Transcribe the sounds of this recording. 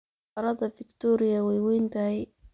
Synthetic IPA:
ɐɾɐðɐfɪkt̪ʰɔːɾɪɐwɛjwɛjnt̪ʰɐɦɛj

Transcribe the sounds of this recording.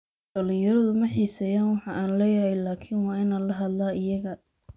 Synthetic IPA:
ɖ̥ɐlɪjɐɾɐðʊmɐħiːsɐjaːnwɑħɑʔaːnlɛːjɐɦɛjlaːkʰinwɑːɪnaːlɐɦɐd̪laːɪjɐɣɐ

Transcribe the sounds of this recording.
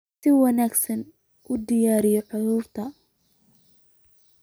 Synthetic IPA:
sɪwɐnaːɡsɐn | ʔʊd̪ɪjaːɾɪjɔʕʊðʊːrt̪ʰɐ

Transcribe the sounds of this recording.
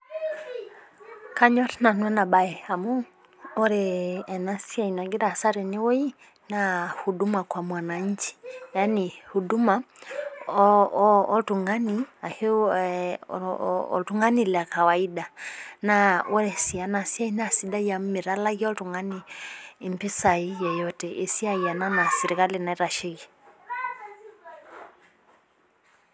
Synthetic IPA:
kaɲɔtinanwɛnabajɛhamu | ɔɾɛnasiainaɡiɾasaɾiniwɔi | nahudumakwamwanaɲ̩t͡ʃi̥janihuduma | ɔtuŋɡaniahi | ɔ̰tuŋɡanilakawaiɗanawɛsianasiainasiɗajamiɾalaɣiɔtuŋɡaniːmpisaijɔjɔtɛʔisiaiananasɛɾikalinaiɾaʃiɣi

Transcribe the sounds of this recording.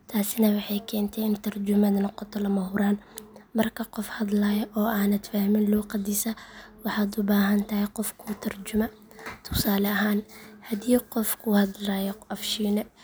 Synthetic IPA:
t̪ʰaːsɪnɐwɑħɑjkʰɛːnt̪ʰɛjɪnt̪ʰɐrd͡ʒʊmɐðɐnɔqɔt̪ʰɔlɐmɐɦʊɾaːnmɐrkʰɐqɔfhɐd̪laːjʔɔːʔaːnɐd̪faːhmɪnluːqɐd̪isɐwɑħɑːd̪ʊbaːɦɐnt̪ʰɐhɛqɔfkʰʊt̪ʰɐrt͡ʃʊmɐ | t̪ʰʊ̥saːlɛɐɦaːnhɐd̪iːqɔfkʰʊhɐd̪laːjɔʔɐfʃiːnɛ

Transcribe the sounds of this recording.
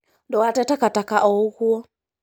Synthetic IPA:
ndɔwatɛtakatakaʔɔuɣuɔ

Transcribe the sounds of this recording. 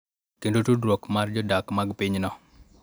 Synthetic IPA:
kendotudɾwokmard͡ʒɔdakmaɡpɪɲnɔ

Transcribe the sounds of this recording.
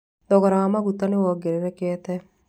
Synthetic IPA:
d̪ɔɣɔɾawamaɣut̪anewɔɡeɾeɾɛkɛːt̪ɛ

